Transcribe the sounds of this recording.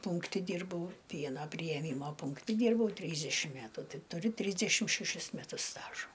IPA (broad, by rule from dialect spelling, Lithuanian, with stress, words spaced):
ˈpuːŋktʲɪ ˈdʲiːrbɐʊ ˈpʲiɛnɐ pʲrʲɪjɛˈmʲiːmɐ puːŋkˈtʲɪ ˈdʲiːrbɐʊ ˈtʲrʲiːzʲdʲɛʃʲɪm ˈmʲæːtʊ ˈtɐɪ tʊˈrʲɪ ˈtʲrʲiːzʲdʲɛʃʲɪm ʃʲɛˈʃʲɪs mʲɛˈtʊs ˈstɑːʒoː